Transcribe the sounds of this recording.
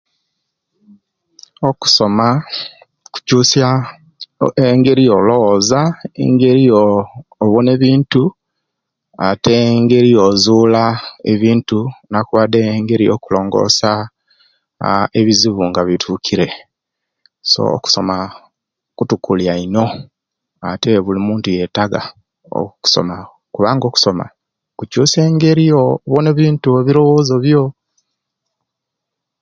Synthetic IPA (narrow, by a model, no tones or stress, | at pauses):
oku̥so̞ma | ku̥cuːsja | eŋɡe̞ɾijolo̞wozaḛŋɡe̞ɾioːβone̞βiːntu | ateŋɡe̞ɾiozuːlaḛβiːntunakuβadeŋɡe̞ɾijokulo̞ːŋɡo̞̰ːsa | eβiziβuŋɡaβitʰukʰiɾe̞ | so̰ːku̥so̞ma | kutukuljaino̞ | ate̞βulimuːntuje̞taɡa̰ | o̰ku̥so̰ma | kuβaːŋɡo̞ːku̥so̞ma̰ | kucuːse̞ːŋɡe̞ɾijoβone̞βiːntueβiɾo̞wo̞ːzo̞βjo